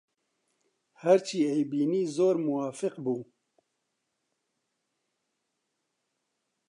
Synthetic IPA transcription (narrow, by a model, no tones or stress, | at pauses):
hɛɾt͡ʃʰiːejbiːniːzoːɾmʊwaːfɪqbuː